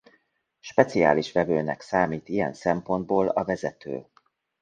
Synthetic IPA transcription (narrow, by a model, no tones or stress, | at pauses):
ʃpɛt̪sia̰ːliʃʋɛvøːnɛ̰ksaːmiːt̪ijɛ̰nsɛmpo̞nd̪̚boːlɒvɛzɛt̪ø̰ː